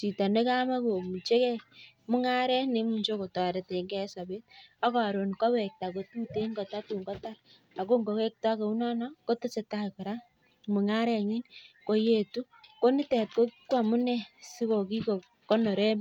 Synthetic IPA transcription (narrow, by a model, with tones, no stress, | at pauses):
si˨ta˨ne˦ka˦ma˦ko˨mu˨t͡ʃe˦kɛ˦k̚mu˦ŋa˦ɾɛ˦ne˦mu˨ɲt͡ʃo˦ko˨ta˨ɾe˨te˨˦ŋɡɛ˦sa˨be˦ta˦ka˨ɾo˨nkɔ˦wɛ˨k̚ta˨ko˨tu˦te˦ŋɡo˨ta˦tu˨ŋɡo˦ta˦ɾ | a˨ko˦ŋɡo˨ke˦k̚ta˦ke˨u˦na˦nɔ˦ko˦to˦se˨ta˦kɔ˨ɾa˦ | mu˨ŋa˦ɾɛ˦˨ɲi˦nko˦je˦˨tu˦ | ko˦ni˦tɛ˨t̚ko˦kkwa˨mu˦nɛ˦si˦ko˨ki˦ko˨ | ko˦no˨ɾe˦m